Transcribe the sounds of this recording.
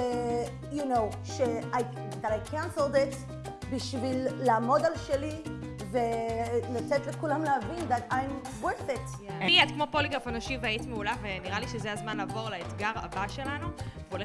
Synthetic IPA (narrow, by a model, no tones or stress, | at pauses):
junow | ʃeaj | d̪atajkʰãnsld̪et | biʃvilːaːmo̞dalʃeli | velat͡sɛtlekulamleavind̪atajm | wɛset | iad̪kmopoliɡafanoʃivaitmeulaveniʁaliʃezeazmanlaːvo̞ʁlaet̪ɡaʁa̰baʃelanuvole